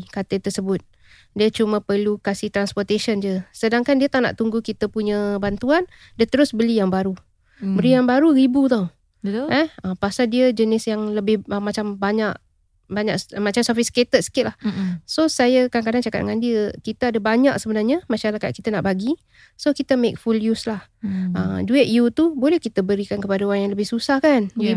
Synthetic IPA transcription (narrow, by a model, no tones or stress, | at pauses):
kat̪ət̪ərsəbʊt̪̚ | diət͡ʃumə̃pərlukasiht̪ɾanspɔrt̪eʃənd͡ʒəsədaŋkandiət̪ana̰ʔt̪uŋɡukit̪əpuɲəbant̪uan | diət̪əɾʊsbəlijaŋbaɾu | bəlijaŋbaɾuɾibut̪aw | ɛhəpasaldiəd͡ʒənɪsjaŋləbɪhəmat͡ʃambaɲaʔ | baɲakmat͡ʃamsɔfɪsket̪ət̪̚sə̥kɪt̪̚lahsosajakaaŋkadaŋt͡ʃaka̰t̪̚ŋandiəkit̪aadabaɲaʔ̚səbənarɲəmaʃaɾakat̪̚kit̪anaʔbaɡi | sokit̪əmek̚fuljuslahʔə̰d͡ʒuɪʔ̚jut̪ubolɛhkit̪əbəɾikankəpadaoɾaŋjaŋləbɪhsusahkani